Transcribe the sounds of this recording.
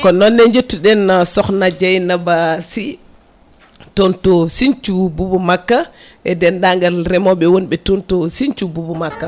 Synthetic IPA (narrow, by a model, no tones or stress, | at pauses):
kɔnɔnːɛɲd͡ʒetːuɗɛnasɔxnad͡ʒajnabasi | tontosint͡ʃububumakːa | ʔɛdɛnɗaŋɡalɾɛmɔɓɛwonɓɛtontosint͡ʃububumakːa